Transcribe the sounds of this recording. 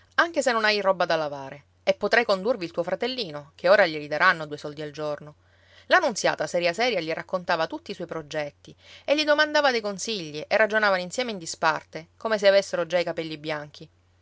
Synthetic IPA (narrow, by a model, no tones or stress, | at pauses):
aŋk̟esenːonajrɔbːad̪alavaːɾe | epːot̪ɾajkond̪urvilt̪uːofɾat̪elːiːnokʰeoːɾaʎilid̪aɾʔanːod̪uːesɔld̪iald͡ʒorno | lanːuntsja̰ːt̪asɛɾjasɛːɾjaʎirakːont̪aːvat̪ut̪ːiːswɔjpɾod͡ʒɛt̪ːieʎːid̪omand̪aːvad̪ejkonsiʎːiʔerːad͡ʒonaːvaninsjɛːmeind̪ispart̪ekomes̬eavesːeɾod͡ʒaikapɛlːibjaŋk̟ʰi